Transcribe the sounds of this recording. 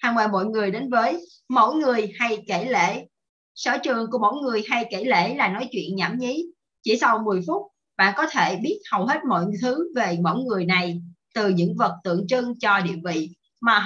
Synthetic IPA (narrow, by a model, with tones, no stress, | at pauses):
haː˧ŋɓaː˧˩mo̰˧˨jŋɨ˨˩əjɗe˨˦nvəː˨˦j | mo̰˧˥˨jŋɨ˨˩əjha˧jke˧˩lḛ˧˨ | sə̰ː˧˩t͡ɕɨ˨˩əŋku˧˩əmo̰˧˥jŋɨ˨˩əjɦa˧jke˧˩lḛ˧˥˨laː˨˩nɔ˨˦jt͡ɕwḭ˧˨ənɲaː˧˩mɲi˨˦ | t͡ɕi˧˩sa˧wmɨ˨˩əjfʊ˦˥t̚ | ɓa̰ː˧˨nkɔ˨˦t̪ʰe˧˩ɓi˦˥ət̚hə˨˩wɦe˦˥t̚mo̰˧˨jt̪ʰɨ˨˦ve˨˩mo̰˧˥˨jŋɨ˨˩əjna˨˩jt̪ɨ˨˩ɲɨ̰˧˥ŋvə˨˩t̚t̪ɨ̰˧˨əŋt͡ɕɨ˧ŋt͡ɕɔ˧ɗḭ˧˨ənvḭ˧˨ | maː˨˩